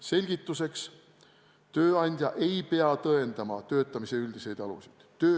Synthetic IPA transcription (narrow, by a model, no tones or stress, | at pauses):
se̞lʲɡ̥it̪ːˑuse̞ks | t̪øːɑnʲd̪̥ʲjɑʔe̞jpe̞ɑt̪ɤe̞nd̪̥ɑmɑt̪ø̞ːt̪ːˑɑmise̞yld̪̥ise̞jd̪̥ɑlṵsid̪̥t̪ːø̞ː